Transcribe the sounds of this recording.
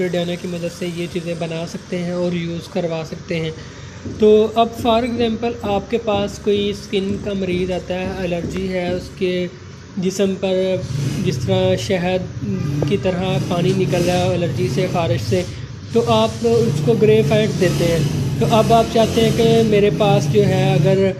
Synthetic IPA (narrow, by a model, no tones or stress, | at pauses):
ɾeːɖijaːnakimɐd̪əd̪sejet͡ʃiːzẽbɐnaːsɐk̚t̪eɦɛ̃ɔːɾjuːzkɐɾʋaːsɐk̚t̪eɦɛ̃ː | t̪oːɐbfɔːɾɛɡzɛ̃ːmpəlaːp̚kepaːskoːiskɪnkamɐɾiːzaːt̪aɦɛɛɐləɾd͡ʒiɦɛʊske | d͡ʒɪsəmpɐɾd͡ʒɪst̪ɐɾaʃɛɦəd̪kit̪ɐɾapaːñinɪkəlaɐləɾd͡ʒisefaːɾɪʃse | t̪oʔaːpʊskoɡɾeːfɛːʈd̪eːt̪eɦɛ̃ːt̪oːʔɐbaːp̚t͡ʃaːɦt̪eɦɛ̃kemeːɾepaːsd͡ʒoːɦɛɐɡəɾ